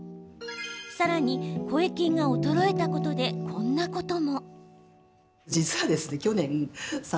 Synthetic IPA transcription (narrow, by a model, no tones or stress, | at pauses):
saɾaɲ̟iko̞ekʲĩŋɡaot̪o̞ɾo̞e̞t̪ako̞t̪o̞d̪e̞kʰõ̞nːako̞t̪o̞mo̞ | d͡ʑit͡sɨβad̪e̞sɨne̞kʲo̞nẽ̞s